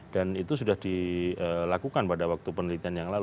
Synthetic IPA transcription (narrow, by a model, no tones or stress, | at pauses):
d̥anit̪us̬udahdiəlakukanpadawak̚t̪upənəlit̪ianjaŋlal